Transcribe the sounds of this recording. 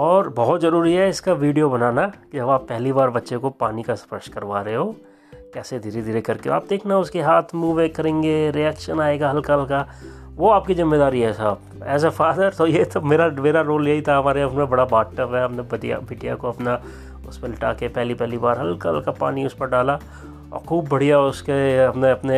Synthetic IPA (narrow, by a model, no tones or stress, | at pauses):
ɔːɾbɐɦʊt̪zɐɾuːɾiɦɛɪskaʋiːɖijobɐnaːnakid͡ʒɐbaːpːɛɦlibaːɾbɐtːʃekopaːnikaspɾəʃʈkɐɾʋaːɾeɦoː | kɛːsed̪ʱiɾed̪ʱiɾekɐɾkea̰ːp̚d̪eːkʰnaɦɛʊskeɦaːt̪ʰmuːʋekɐɾẽːŋɡeɾiɛːkʃənaːeːɡaɦɐlkalka | ʋoaːp̚kizɪmːeːd̪aːɾiɦɛsaːp̚ | ɛ̰ːs̬afaːd̪əɾt̪ojet̪ʰomeːɾameːɾaɾoːljɐɦit̪ʰaɐmaːɾeʊsmẽbɐɽabaːʈʈəpɦɛɐpnebɐʈija̰bʱɪʈija̰koɐpna | ʊspelɐʈa̰ːkepɛɦlipɛɦlibaːɾɦɐlkə̰lkapa̰ːniʊspɐɾɖaːla | ɔ̰ːɾxʰuːbːɐɽ̤ijaʊskeɐpneɐpne